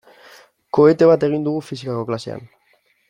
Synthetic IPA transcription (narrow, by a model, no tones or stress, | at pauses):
ko̞e̞t̪e̞β̞at̪e̞ɣ̞ind̪uɣ̞ufisikako̞klase̞a̰n